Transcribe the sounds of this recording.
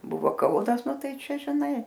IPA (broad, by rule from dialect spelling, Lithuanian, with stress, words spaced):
ˈbʊʋoː ˈkɐʊnɐs ˈnʊ ˈtɐɪ ˈt͡ʃʲɛ ʒʲɪˈnɐɪ